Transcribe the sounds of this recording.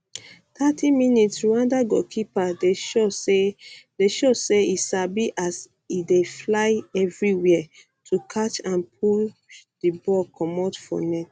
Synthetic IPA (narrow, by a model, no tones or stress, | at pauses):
tʰatʰĩminitsɹuãndaɡɔ̰kʰipadeʃoedeʃoseisabiʔas | ideflaɪɛvɹiwɛɛ | tʰukʰat͡ʃãnp̚ʰul | dibɔkʰɔ̃mɔtfɔ̰nɛt